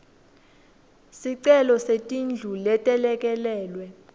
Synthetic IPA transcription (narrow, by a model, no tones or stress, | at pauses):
siǀɛlɔsetʼind͡ɮʱulɛtʼɛlɛk̬ʼɛlɛːlwɛ